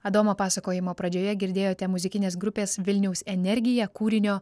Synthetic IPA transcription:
ɐd̪oːmoːpɑːsɐkoːjɪmoːpɾɐd͡ʒʲoːjɛɡʲɪɾʲd̪ʲeːjoːt̪ʲɛmʊzʲɪkʲɪnʲeːsɡɾʊpʲeːsʋʲɪlʲnʲɛʊsʲɛnʲɛɾʲɡʲɪjɛkuːɾʲɪnʲoː

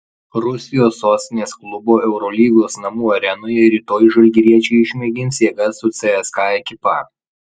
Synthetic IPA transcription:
ɾʊsʲɪjoːsːoːsʲt̪ʲɪnʲeːsklˠʊboːʔɛʊɾɔːlʲiːɡoːsnɐmuːɐɾʲɛnoːjɛɪɾʲiːt̪oːjʒɐlʲɡʲɪɾʲiɛt͡ʃʲɛɪɪʃʲmʲɛɡʲɪnʲsjeːɡɐsːʊt̪sʲɛɛskɑːɛkʲɪpɑ̰

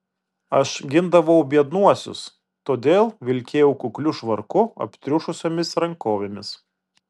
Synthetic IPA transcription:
ɐʃɡʲɪnd̪ɐʋɐʊbʲiɛd̪nuɔsʲʊ̰s | t̪oːd̪ʲeːlˠʋʲɪlʲkʲeːjɛʊkʊklʲʊʃʋɐɾkʊɐ̰pʲt̪ʲɾʲʊʃʊsʲoːmʲɪsɾɐŋkoːʋʲemʲɪs

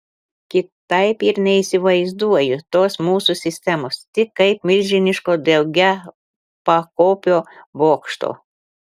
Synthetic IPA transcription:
kʲɪt̪ɐɪpiɾnʲɛisʲɪʋɐɪzd̪uɔjʊt̪oːsmuːsusʲɪsʲt̪ʲɛmoːst̪ʲɪkːɐɪpmʲɪlʲʒʲɪnʲɪʃkoːd̪ʲɛʊɡʲɛ | pɐkoːpʲoːboːkʃt̪o̰ː

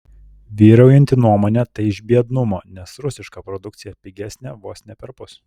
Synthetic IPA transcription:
ʋʲiːɾɐʊjɛnʲt̪ʲɪnuɔmoːnʲɛt̪ɐɪɪʒʲbʲiɛd̪nʊmoːnʲɛsɾʊsʲɪʃkɑpɾɔd̪ʊk̚t̪sʲɪjɛpʲɪɡʲæːsʲnʲɛʋuɔsʲnʲɛpʲɛɾpʊs

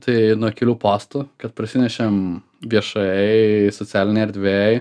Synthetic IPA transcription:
t̪ɐɪnuɔkʲɪlʲuːpoːst̪ukɐt̪̚pɾɐsʲɪnʲɛʃʲem | ʋʲiɛʃɐjɛɪsɔt͡s̪ʲæːlʲɪnʲɛɪɐɾʲd̪ʲʋʲeɪ

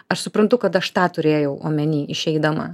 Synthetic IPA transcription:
ɐʃsʊpɾɐnt̪ʊkɐt̪ɐʃt̪ɑːt̪ʊɾʲeːjɛʊʔo̰ːmʲɛnʲiːʔɪʃʲɛɪd̪ɐmɐ̰

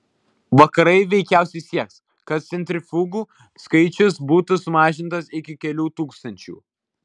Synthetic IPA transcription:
ʋɐkɐɾɐɪʋʲɛɪkʲæˑʊsʲɛɪsʲiɛks | kɐt̪̚t̪sʲɛnʲt̪ʲɾʲɪfuːɡuː | skɐɪt͡ʃʲʊsbuːt̪ʊsʊmɑːʒʲɪnt̪ɐsɪkʲɪkʲɛlʲuːt̪uːkst̪ɐnʲt͡ʃʲṵː

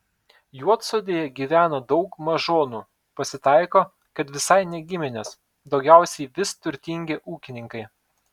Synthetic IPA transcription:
juɔt̪soːd̪ʲeːjɛɡʲiːʋʲæːnoːd̪ɒʊkmɐʒoːnuː | pɐsʲɪt̪ɐɪkoː | kɐt̪ʋʲɪsɐɪnʲɛɡʲɪmʲɪnʲos | d̪ɒʊɡʲæˑʊsʲɛɪʋʲɪst̪ʊɾʲt̪ʲɪŋʲɡʲeʔuːkʲɪnʲɪŋkɐɪ

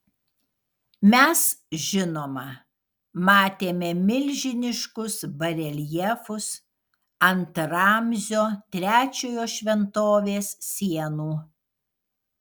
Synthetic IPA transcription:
mʲɛsʒʲɪnoːmɐ | mɑːt̪ʲeːmʲɛmʲɪlʲʒʲɪnʲɪʃkʊsbɐɾʲɛlʲjɛfʊs | ɐnt̪ɾɑːmʲzʲoːt̪ʲɾʲæːt͡ʃʲoːjoːʃʲʋʲɛnt̪oːʋʲeːssʲiɛnuː

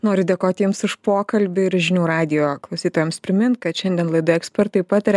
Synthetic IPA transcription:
noːɾʲʊd̪ʲeːkoːt̪ʲiɛmsɪʃpoːkɐlʲbʲʊɪɾʒʲɪnʲuːɾɑːd̪ʲɪjoːklˠɐʊsʲiːt̪oːjɛmspʲɾʲɪmʲɪnt̪̚kɐt̪ʃʲɛnd̪ʲiɛnlˠɐɪd̪ɐɛksʲpʲɛɾt̪ɐɪpɑːt̪ɐɾʲɛ

